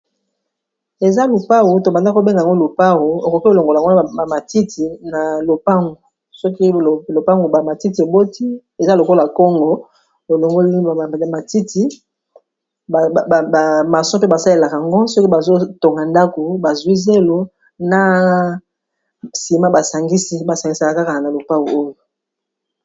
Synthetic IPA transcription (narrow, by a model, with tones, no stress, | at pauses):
e˨za˦lu˨pa˦wu˨to˨ŋɡa˨nda˦kbe˦ŋɡŋɡo˦lo˨pa˦wu˨e˨ko˨ki˦o˦˨lo˨ŋɡo˨la˨ŋɡa˨ma˨ti˦tʰi˨na˨lo˨pa˦ŋɡo˨ | sɔ˦ki˦˨lo˨pa˦ŋɡo˨ba˨ma˨ti˦ti˨e˨bo˦ti˦ | e˨za˦lo˨ko˦la˨kɔ˦ŋɡɔ˨ | o˨lo˨ŋɡo˦lma˨ti˦ti˨ | ma˨sɔ̃˦pe˦ba˨sa˦le˨la˨ka˨a˨ŋɡo˦sɔ˦ki˦ba˨zo˦to˨ŋɡa˨nda˦ko˨ba˨zwi˦ze˦lo˨ | na˦ | si˨ma˦ba˨sa˨ŋɡi˦si˦ba˨sa˨ŋɡi˨sa˨ka˨ka˦ka˨na˨lo˨pa˦ɣu˨o˦jo˨